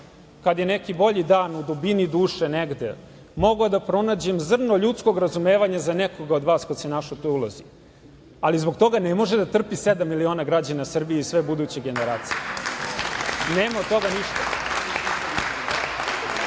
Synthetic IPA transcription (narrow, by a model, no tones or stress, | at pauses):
kad̪je̞ne̞kibo̞ʎid̪aːnud̪ubinid̪uːʃeneɡd̪ḛ | mo̞ɡod̪apɾo̞naːd͡ʑe̞mzr̩noʎut̪sko̞ɡɾazume̞ːʋaɲazanekoɡaod̪ʋaːskad̪senaʃot̪oulˠazi | alizbo̞kt̪o̞ɡanemo̞ʒed̪at̪r̩pised̪amːilio̞ːnaɡɾad͡ʑanasr̩bijeisʋe̞bud̪ut͡ɕe̞ɡe̞neɾaːt̪sije | neːmaod̪̚t̪o̞ɡaniʃt̪aini